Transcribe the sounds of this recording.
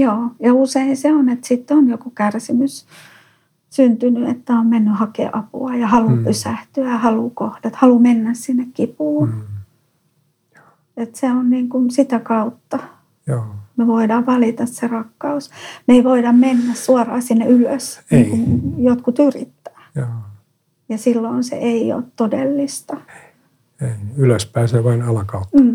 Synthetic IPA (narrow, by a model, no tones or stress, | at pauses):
joːjɑuseinseonet̪sit̪ːonjokukærsimys | synt̪ynyḛt̪ːæommenːyhɑkḛʔɑpṵɑjɑhɑlupysæht̪yæɑhɑlukohdɑt̪hɑlumenːæssinːekkipuːn | et̪seonniːŋkunsit̪ækɑut̪ːɑ | omeʋoidɑʋʋɑlit̪ɑsserɑkːɑusmeiʋoidɑmmenːæssuɑrɑːsinːeyløsneːŋkunjot̪kut̪yrit̪ːæ̥ːjo | jɑsilːoinsḛʔeio̰ːt̪todelːist̪ɑ | enyløspæːseːʋɑinɑlɑkɑut̪̩ː